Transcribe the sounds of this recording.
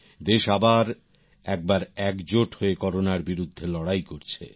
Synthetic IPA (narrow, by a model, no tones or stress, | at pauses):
d̪eʃabaɾ | ɛk̚baɾɛkd͡ʑoʈhoekɔɾonaɾbiɾud̪ʱːelɔɽajkoɾt͡ɕʰḛ